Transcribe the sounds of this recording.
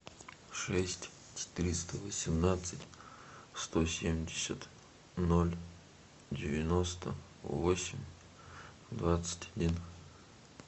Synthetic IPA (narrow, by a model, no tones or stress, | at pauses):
ʂɛsʲtʲ | t͡ʃɪ̥t̪ɨɾʲist̪əvəsʲɪmnat̪sɨtʲst̪osʲemʲdʲɪsʲət̪ | nolʲ | dʲɪvʲɪnost̪ə̰ | vosʲɪmʲ | d̪vat̪sɨ̥tʲɐdʲin